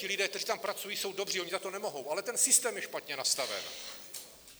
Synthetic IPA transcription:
ɪlɪdɛːkt̪ɛriːt̪ampɾat͡sujiːso̞wdo̞briːoɲɪzat̪o̞nɛmo̞ɦo̞wʔalɛt̪ɛnsɪst̪ɛːmjɛʃpat̪ɲɛnast̪avɛ̰n

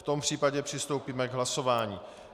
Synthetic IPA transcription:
t̪o̞mpr̝̥iːpaɟɛpr̥ɪst̪o̞wpiːmɛɡɦlaso̞vaːɲiː

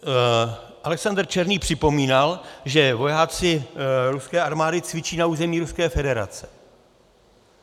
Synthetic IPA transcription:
ʔalɛksandr̩t͡ʃɛɾniːpr̥ɪpo̞miːnalʒɛvo̞jaːt͡sɪɾuskɛːʔaɾmaːdɪt͡svɪt͡ʃiːnauːzɛmiːɾuskɛːfɛdɛɾa̰t͡sɛ̥

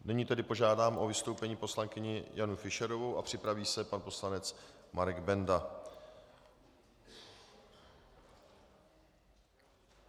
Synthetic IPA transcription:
nɪɲiːt̪ɛdɪpo̞ʒaːdaːmʔo̞vɪst̪o̞wpɛɲiːpo̞slaŋkɪɲɪjanufɪʃɛɾo̞vowʔa̰pr̝̥ɪpɾaviːsɛpanpo̞slanɛt͡smaɾɛɡbɛnda

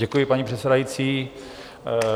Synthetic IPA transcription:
ɛkujɪpaɲipr̥ɛt̪sɛdajit͡siː

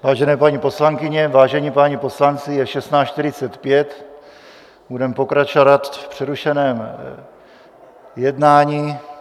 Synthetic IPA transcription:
vaːʒɛnɛːpaɲipo̞slaŋkɪɲɛvaːʒɛɲiːpaɲipo̞slant͡sɪjɛʃɛst̪naːʃt̪ɪɾɪt͡sɛt̪pjɛt̪ | budɛmpokɾat͡ʃovat̪fpr̥ɛɾuʃɛnɛːm | jɛdnaːɲiː

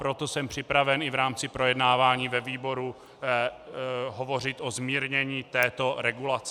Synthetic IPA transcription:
pɾot̪osɛmpr̝̥ɪpɾavɛnɪvɾaːmt͡sɪpɾo̞jɛdnaːvaːɲiːvɛviːbo̞ɾu | ɦovo̞r̝ɪt̪ʔo̞zmiːɾɲɛɲiːt̪ɛːt̪o̞ɾɛɡulat͡sɛ

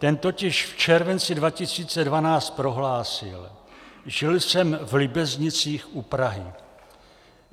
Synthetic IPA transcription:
t̪ɛnt̪o̞cɪʃft͡ʃɛɾvɛnt͡sɪdvacɪsiːt͡sɛdvanaːt͡st̪̚pɾo̞ɦlaːsɪ̰lʒɪlsɛmvlɪbɛzɲɪt͡siːxʔupɾaɦɪ̰

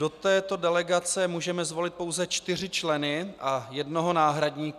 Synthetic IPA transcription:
do̞t̪ɛːt̪o̞dɛlɛɡat͡sɛmuːʒɛmɛzvo̞lɪt̪̚po̞wzɛt͡ʃt̪ɪr̝ɪt͡ʃlɛnɪʔajɛdno̞ɦo̞naːɦɾadɲiːk

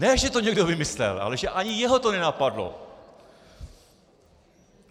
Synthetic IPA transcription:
nɛʒɛt̪o̞ɲɛɡdovɪmɪslɛ̰lʔa̰lɛʒɛʔaɲɪjɛɦo̞t̪o̞nɛnapadlo̰

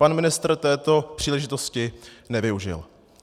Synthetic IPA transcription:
panmɪnɪst̪r̩t̪ɛːt̪o̞pr̥iːlɛʒɪt̪o̞scɪnɛvɪuʒɪ̰l

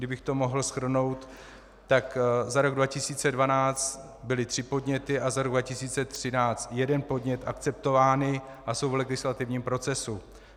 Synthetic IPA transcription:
dɪbɪxt̪o̞mo̞ɦl̩sxr̩no̞wt̪ː | akzaɾo̞ɡdvacɪsiːt͡sɛdvanaːt͡st̪ | bɪlɪt̪r̝̥ɪpo̞dɲɛt̪ɪʔazaɾo̞ɡdvacɪsiːt͡sɛt̪r̝̥ɪnaːt͡st̪jɛdɛnpo̞dɲɛt̪ʔakt͡sɛp̚t̪o̞vaːnɪ | ʔaso̞wvlɛɡɪslat̪ɪvɲiːmpɾo̞t͡sɛsu

